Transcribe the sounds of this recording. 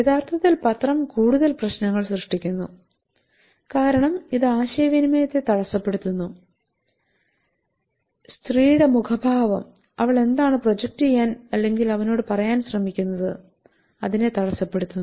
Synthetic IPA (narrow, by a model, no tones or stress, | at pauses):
jet̪ʰaːrt̪ʰɐt̪ːilpɐt̪rɐmkuːɽuðɐlprɐɕnɐŋːɐɭsrɨʂʈikʲːunːṵ | kaːɾɐɳɐmiðɨaːɕɐjɐʋinimɐjɐt̪ːe̞t̪ɐɽɐsːɐpːe̞ɽut̪ːunːu | st̪riːjɽemukʰɐbʱaːʋɐm | ɐʋiɭe̞nd̪aːɳɨpro̞d͡ʑek̚tɨjɐnɐlːe̞ŋɡilɐʋɐno̞ːɽɨpɐrɐjaːnɕrɐmikʲːunːɐðɨ̰ | ɐðine̞t̪ɐɽɐsɐpːe̞ɽut̪ːunː